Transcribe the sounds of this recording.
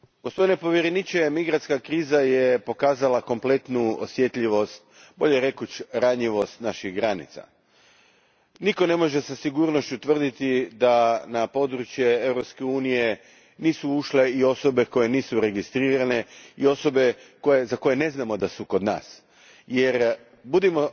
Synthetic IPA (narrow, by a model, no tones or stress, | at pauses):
ɡospd̪inepo̞ʋjeɾenit͡ʃemiɡɾat̪skakɾiːzajepo̞kaːzalako̞mple̞t̪nuosje̞t̪ʎiʋo̞st̪̚ | bo̞ʎeɾe̞kut͡ɕɾaɲiʋo̞st̪naʃiɣɡɾanḭt̪sa̰ | niko̞ne̞mo̞ʒe̞sasiɡuɾno̞ʃt͡ɕut̪ʋr̩d̪it̪id̪anapo̞d̪ɾut͡ʃjee̞vɾo̞pskeuːnije̞ | niːsuuʃle̞io̞so̞be̞ko̞je̞niːsuɾe̞ɡist̪ɾiːɾane̞io̞so̞be̞kojezako̞je̞ne̞znamo̞d̪asuko̞d̪na̰ːs | jeɾ | bud̪imo̞